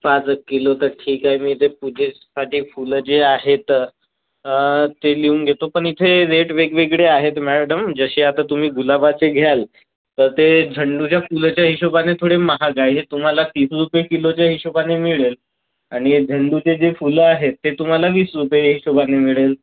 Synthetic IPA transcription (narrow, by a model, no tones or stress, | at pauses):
pat͡skilot̪əɾʈʰiːkaɦjmiːt̪epud͡ʑʱe | saʈiːfuld͡zeaɦet̪ | t̪eliunɡʱet̪opəɳit̪ʰeɾeʈʋeɡʋeɡɭeaɦet̪mɛɖəmd͡zəɕeat̪at̪um̤iːɡulabat͡seɡʱjal | t̪əɾt̪ed͡ʑʱəɳɖut͡ɕjafult͡ɕjaɦiɕobanet̪ʰoɽeməɦaɡajɦet̪um̤alat̪iːsɾupjekilot͡ɕjaɦiɕobanemiɭel | aɽ̃id͡ʑʱəɳɖut͡sed͡zefulaɦet̪ːet̪um̤alaʋiːsɾupjeɦiɕobanemiɭel